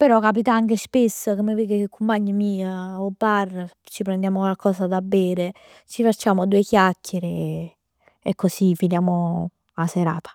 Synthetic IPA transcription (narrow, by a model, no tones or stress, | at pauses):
peɾɔkap̬it̪aaŋkespesːakomːeviːɡekekʰːumpaɲːəmiːaobːarː | t͡ʃipɾɛnd̪jaːmokwalkɔːsad̪abːɛːɾe | t͡ʃifat͡ʃːaːmod̪uːekjakʰʲːeɾe | kːosifinjaːmo | aseɾa̰ːt̪ḁ